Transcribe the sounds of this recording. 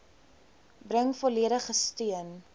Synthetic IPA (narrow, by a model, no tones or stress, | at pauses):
brəŋfɔliəɾəχəstiən